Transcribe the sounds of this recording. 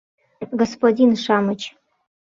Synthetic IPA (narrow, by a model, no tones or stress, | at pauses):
ɡospodʲinʂamɨt͡ʃʰʼ